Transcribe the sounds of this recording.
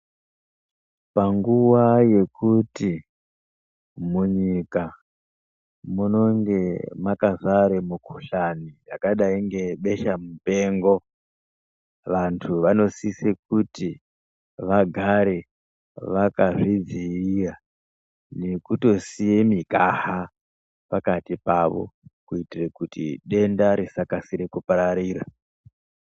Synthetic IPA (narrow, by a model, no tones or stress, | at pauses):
paŋɡuwaje̞kuti | muɲika | muno̞ŋɡe̞makazaɾemukʰuɬanijakaɗaiŋɡe̞ɓe̞ʃamupe̞ŋɡo̞ | ʋantʰuʋano̞sisek̚uti | ʋaɡʱaɾe | ʋakaʐid͡ziira | ne̞kuto̞sijemikaha | pakatipaʋo̞̰kuitirekutḭɗe̞ndaɾisakasiɾekupaɾaɾiːɾa